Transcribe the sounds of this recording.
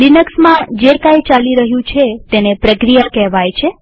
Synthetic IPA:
ɖinəksmãd͡ʒekajt͡ʃaliɾəɦjũt͡ʃʰet̪enepɾəkɾijakɛɦʋajt͡ʃʰe

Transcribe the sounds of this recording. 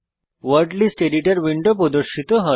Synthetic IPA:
ʋəɾɖliːsʈeliʈəɾʋiɳɖop̬od̪əɾɕit̪əɦə

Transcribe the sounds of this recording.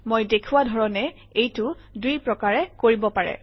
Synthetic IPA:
mojdekʰuwadʱɔɹɔnɛ | ejtʊ | dujpɹɔkaɹɛkoɹibɔpaɹɛ̰

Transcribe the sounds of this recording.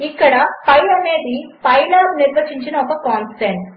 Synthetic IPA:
ikːɐɽɐpɐjlɐmeːd̪ipɐjlɐɾniɾʋɐt͡ʃiɲt͡ʃinɐpɐkɔːnseɳʈ

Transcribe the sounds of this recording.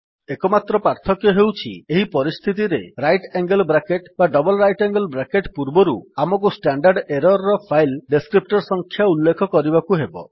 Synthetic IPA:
ekɔmat̪ɾɔpaɾt̪ʰɔkjɔɦewt͡ʃʰḭeɦipɔɾist̪ʰit̪̬iɾeɾajʈeŋɡelbɾakeʈbaɖɔbɔlɾajʈeŋɡelbɾakeʈpuɾbɔɾuamɔkusʈaɳɖaɾɖeɾɔɾːɔpʰajlɖeskɾip̚ʈɔɾsɔŋkʰjaulːekʰɔkɔɾibakuɦebɔ̰

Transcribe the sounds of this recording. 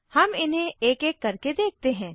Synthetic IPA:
hɐmɪnɦẽeːkeːkːɐɾked̪eːk̚t̪eɦɛ̃ː

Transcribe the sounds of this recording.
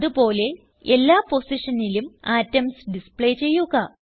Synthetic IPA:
ðupo̞ːle̞ | elːaːpo̞siʂɐnilumaːtːɐmsɖispɭe̞ːt͡ɕe̞jːuɣɐ

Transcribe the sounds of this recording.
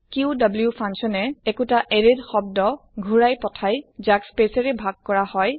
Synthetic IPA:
kiudɔbljupʰansɔnɛekutaʔeɹedxɔb̚dɔɡʱuɹajpɔtʰajzakspesɛɹɛbʱaɡ̚kɔɹahɔj

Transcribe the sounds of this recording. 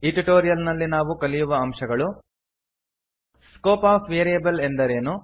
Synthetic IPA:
iʈiʈo̞ːɾijɐlnɐlːinaːʋukɐlijuʋɐɐmʃɐɡɐɭu | skoːpaːpʋeːɾijɐbɐle̞nd̪ɐɾe̞ːnu

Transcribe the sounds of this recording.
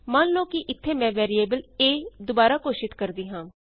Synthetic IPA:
mãːnloːkiʔɪt̪ʰːeːmɛ̃ːʋɛːɾieːbəleːd̪ʊbaːɾaːkoːʃɪt̪kəɾd̪iːɦãː

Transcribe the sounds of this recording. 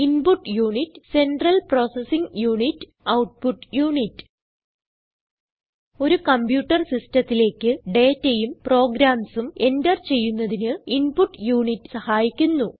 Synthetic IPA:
inpuʈːjuːɳitːse̞nɖrɐlpro̞ːsesiŋɡjuːɳitː | ɐwʈ̚puʈːjuːɳitːɨ̥ | o̞ɾukɐmbjuːʈːɐrsistɐt̪ːile̞ːkʲːɨɖe̞ːtːejumpro̞ːɡɾaːmsume̞ndɐrt͡ɕe̞jːunːɐðinɨinpuʈːjuːɳitːɨ̥sɐhaːjikʲːunːu

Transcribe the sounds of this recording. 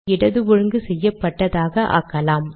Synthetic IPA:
ɪɽɐðɯʋɔɻɯŋɡɯsɛjːɐpːɐʈːɐðaːɣɐʔa̰ːkːɐlaːm

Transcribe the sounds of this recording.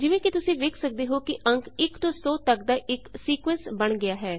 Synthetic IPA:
d͡ʒɪʋẽːkit̪ʊsĩːʋeːkʰsək̚d̪eːɦoːkɪʔə̃ŋkʰɪkt̪õːsɔːt̪əkd̪aːʔɪksiːkʋɛ̃ːnsbəɳɡɪaːɦɛː

